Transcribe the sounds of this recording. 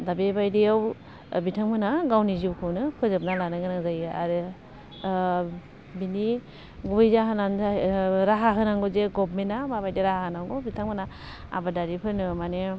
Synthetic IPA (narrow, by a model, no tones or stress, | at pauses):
dabebajdiaw | bitʰaŋmɯnaɡawniziwkʰɯwnɯpʰɯzɯp̚nalanɯɡɯɾaŋzajɯa̰ɾɯ | bini | ɡubɯjzaɦananaɾaɦaɦɯnaŋɡɔzeɡɔpmenamabajdiɾahahɯnaŋɡɔbitʰaŋmɯna | a̰badaɾipʰɯɾnɯmane